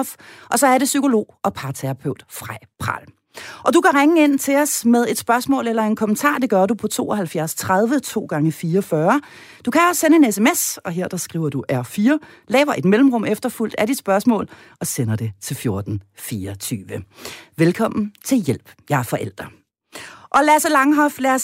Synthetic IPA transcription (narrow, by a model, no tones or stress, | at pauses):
fʔɒ̽sɒ̽æɐɾe̝syko̝lo̝̰ːɒ̽pʰɑ̈ːt͡sʰeʁpʰøʊd̥fʁɑpʰʁɑ̰l | ʔɒ̽d̥ukʰæʁaŋəe̝n̰t͡sʰe̝ɒ̽smeðˠe̝d̥sb̥ɶɐsmɔ̰̽ːlelɐe̝nkʰɒ̽mənt͡sʰɑ̰̈ːd̥e̝ɡ̥ɶɐdupʰɒ̽t͡sʰo̝̰ːʔɒhælfjæɐst͡sʰʁaðˠʋət͡sʰo̝̰ːɡ̥ɑ̈ŋəfiːɐɒfɶːɐ | d̥ukʰæɒssenəe̝nesemesɒ̽ɦe̝ɐ̰d̥ɑ̈sɡ̥ʁḭʊ̰ɐd̥uʔæɐfiːɐ | lɛ̰ːʊɐʔe̝d̥melm̩ʁɔ̽m̰efd̥ɐful̰d̥æɾid̥sb̥ɶɐsmɔ̰̽ːl | ɒ̽senɐd̥e̝t͡sʰe̝lfjo̝ɐd̥n̩fiːɒt͡sʰyːʋəʋelkʰɒ̽m̰n̩t͡sʰe̝ljel̰b̥jɑ̈ɐfɒ̽ʔel̰d̥ʁɐ | ʔɒ̽læɐsəlɑ̈ŋɦɒ̽flæɐs